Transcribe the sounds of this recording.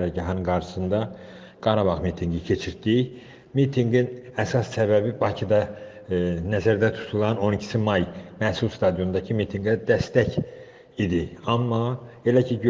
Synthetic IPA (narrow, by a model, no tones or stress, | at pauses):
ɾæɟɑɦɑnɯnɡɑɾʃɯ̥sɯnd̪ɑ | ɡ̥ɑɾɑbɑʁmit̪ʰiŋɡicʰe̞t͡ʃʰiɾd̪i | mit̪ʰiŋɡinæsɑssæbæbibɑcʰid̪ɑ | næzæɾd̪æt̪ʰu̥t̪ʰulˠɑno̞nicʰi̥simɑjmæhsulˠst̪ʰɑd̪ijo̞nd̪ɑcʰimit̪ʰiŋɡæd̪æst̪æc | id̪iɑmːɑe̞læcʰiɟ